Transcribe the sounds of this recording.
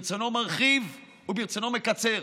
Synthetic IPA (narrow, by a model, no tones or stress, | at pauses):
t͡sonomaʁχiv | ubiʁt͡sonomekat͡se